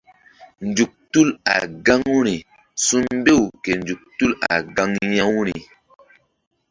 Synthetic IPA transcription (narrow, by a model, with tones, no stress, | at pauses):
nd͡ʒu˨k̚tu˦la̰˨ɡa˦ŋu˦ɾi˨ | su˦mbe˦˨wke˨nd͡ʒu˨k̚tu˦la̰˨ɡa˦ŋjã˦wu˦ɾi˨